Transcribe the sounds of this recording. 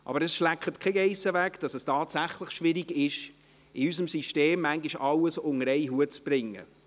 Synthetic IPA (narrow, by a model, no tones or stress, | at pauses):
ʔɑ̰b̥əɾɛsʃlækχətkʰɛɡɛɪsəvækd̥ɑsɛstɑːtsæχləχʃʋɪɾiɡɪʃ | ɪysəmsiʃteːmːæŋɡiʃɑləsʊŋəɾɛɪɦuətt͡sb̥ɾɪŋːə̰